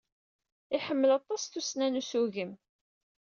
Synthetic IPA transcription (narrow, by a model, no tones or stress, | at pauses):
ɪħəmːəlɑt̪ˤɑsθusnænusuʝəm